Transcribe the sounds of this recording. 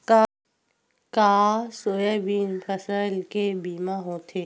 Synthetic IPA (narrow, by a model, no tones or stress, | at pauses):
ka | kaːsoːjebiːnpʰəsəlkebiːmaɦõːt̪ʰe